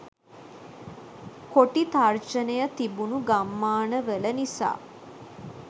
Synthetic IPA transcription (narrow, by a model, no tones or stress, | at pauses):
koʈit̪art͡ʃənəjət̪ibunuɡamːaːnəʋələnisa̰ː